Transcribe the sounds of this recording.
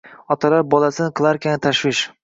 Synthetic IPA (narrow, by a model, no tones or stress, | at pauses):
ɒt̪ʰalaɾ̚bɒlasɪnɪqʰɨlˠaɾkʲʰanɪt̪ʰaʃwɪʃ